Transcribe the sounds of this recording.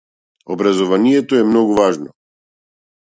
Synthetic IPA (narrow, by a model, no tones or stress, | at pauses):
ɔbɾazɔvanijɛt̪ɔɛmnɔɡuvaʒnɔ